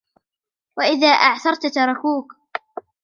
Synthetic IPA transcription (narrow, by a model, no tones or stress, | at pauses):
waʔɪðaːʔaʕθɑɾˤt̪t̪ɑɾˤɑkuːk